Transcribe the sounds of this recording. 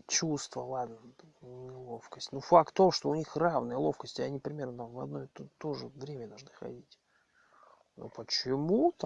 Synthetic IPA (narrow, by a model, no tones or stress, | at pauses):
t͡ɕust̪vəlˠad̪nənʲɪlˠo̞fkəsʲtʲnufakt̪ːo̞ʂt̪o̞ʊnʲixravnɨjəlˠo̞fkəsʲtʲɪɐnʲipɾʲɪmʲe̞rnət̪amvɐd̪no̞j̪t̪o̞ʐɨvɾʲemʲəd̪ɐlˠʐnɨxɐ̰dʲitʲ | no̰pət͡ɕɪmut̪